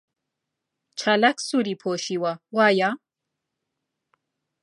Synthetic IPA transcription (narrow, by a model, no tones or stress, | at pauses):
t͡ʃʰɐlɐksuːɾiːpʰoːʃiːwɐwaːja